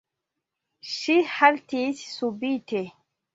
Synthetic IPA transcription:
ʃihaltissubitɛ

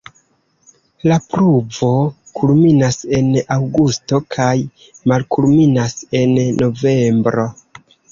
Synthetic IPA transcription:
lapɾuvo̞ | kʰulminase̞nawɡusto̞kʰaj | malkulminase̞nːo̞ve̞mbɾo̞

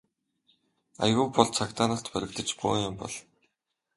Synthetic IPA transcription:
a̰jɣʊːpɔɮt͡sʰakt̪aːnə̆ɬt̪pœɾʲɪ̆kt̪ə̆t͡ɕpo̰ːjʊmpɔ̰ɮ

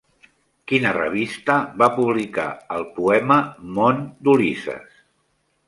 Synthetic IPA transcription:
kinərə̰β̞ist̪əβapuβlika̰əlˠpuɛməmond̪ulisə̰s

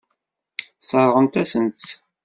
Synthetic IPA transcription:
sˤəɾˤʁəmt̪æsənt͡s

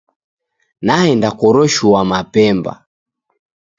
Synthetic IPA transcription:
nahɛndakɔɾɔʃuwamapɛmba̰

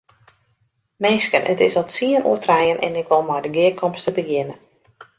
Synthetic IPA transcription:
meːskənʔə̰tɪ̰sɔtsiənʔṵətrɛjənʔɛ̰nɪkʋɔlˠmajdəɡɪəkʰɔmstəbəɡɪnə

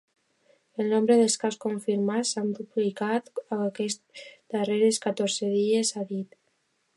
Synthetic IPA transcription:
elnõmbɾeðelskaskoɱfiɾmasampuplikat̪aakesd̪areɾeskat̪oɾseðiesaðit̪

